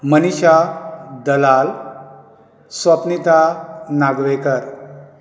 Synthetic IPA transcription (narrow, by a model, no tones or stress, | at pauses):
məniɕad̪əlal | sʋəpnit̪anaɡʋekəɾ